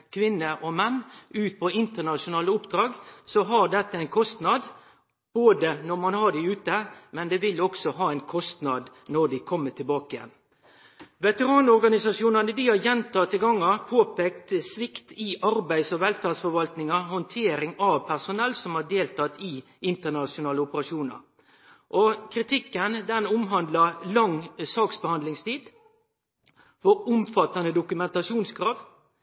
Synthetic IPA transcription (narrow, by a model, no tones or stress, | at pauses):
kʰʋɪnːəʔɔmɛnːʉːt̪̚pʰɔɪnt̪əɳɑʂʊnɑːləʊpd̪ɾɑːɡsɔɦɑɖɛt̪ːəæɪnkʰɔst̪nɑd̪ | b̥oːd̪ənɔɾmɑnhɑɖɪʉːt̪əmɛnd̪ɛːʋɪlːɔksɔɦɑːæɪnkʰɔst̪nɑd̪ | nɔɖɪkʰɔmːət̪ʰɪlbɑːkəjɛ̰n | ʋɛt̪əɾɑːnɔɾɡɑnɪsɑsjuːnɑnəd̪ihɑɾjɛnt̪ʰɑːt̪ːɪlɡɑŋːɑpʰoːpeːkt̪sʋɪkt̪ɪʔɑɾbæɪsɔʋɛlfæːʁdsfɔɾʋɑlt̪nɪŋɑhɔnt̪ʰeːɾɪŋɑʋpʰæʁsʊnɛlːsɔmhɑɖeːlt̪ʰɑt̪ːɪ | ɪnt̪ənɑsʊnɑːləʊpəɾɑʂuːnɑ̰ɾ | ʔɔkʰɾɪt̪ʰɪkːənd̪ɛnʊmɦɑnd̪lɑlɑŋsɑːksbəhɑnd̪lɪŋst̪ʰiːd̪ | fɔʊmfɑt̪ɑnəd̪ʊkʉmɛnt̪ɑʂuːnskʰɾɑːʋ